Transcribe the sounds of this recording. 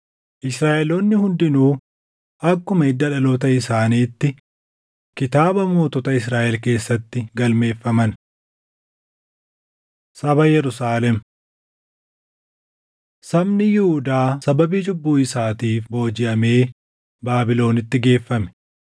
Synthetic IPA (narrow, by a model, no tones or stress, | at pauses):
ʔɪsɾaːʔɛloːnːɪhʊnd̪ɪnuː | ʔɐkːʊmɐɪd̪ːɐᶑɐloːt̪ɐɪsaːniːt̪ːɪ | kɪt̪aːbɐmoːt̪ɔt̪ɐɪs̬ɾaːʔɛlke̞ːsːɐt̪ːɪɡɐlme̞ːfːɐmɐn | sɐbɐjɛɾʊsaːlɛm | sɐmnɪjɪhʊd̪aːsɐbɐbiːd͡ʒʊbːuːɪsaːt̪iːfbo̞ːd͡ʒɪʔɐme̞ː | baːbɪlo̞ːnɪt̪ːɪɡe̞ːfːɐmɛ̥